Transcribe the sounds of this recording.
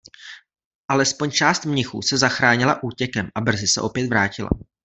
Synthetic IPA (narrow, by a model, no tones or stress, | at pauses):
ʔalɛspo̞ɲt͡ʃaːst̪mɲɪxṵːsɛzaxɾaːɲɪlaʔuːcɛkɛmʔabr̩zɪsɛ̰ʔo̞pjɛt̪vɾaːcɪla̰